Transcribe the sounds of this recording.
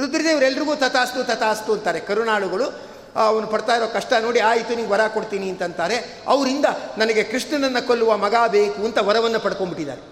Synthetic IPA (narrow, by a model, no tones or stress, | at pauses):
ɾud̪ɾɐd̪eːʋɐɾɛlːɐɾiɡuːt̪ɐt̪aːst̪ut̪ɐt̪aːst̪uɐnt̪aːɾe̞kɐɾunaːɭuɡɐɭu | ɐʋɐnːupɐɽt̪aːjɾoːkɐʂʈɐno̞ːɽiaːjit̪uniːɡʋɐɾaːko̞ɽt̪iːniɐnt̪ɐnt̪aːɾe̞ | ɐʋɐɾind̪ɐnɐnɐɡe̞kɾiʂʈɐnɐnːɐkolːuʋɐmɐɡaːbe̞ːkuɐnt̪ɐʋɐɾɐʋɐnːɐpɐɽkombiʈːid̪a̰ːɾe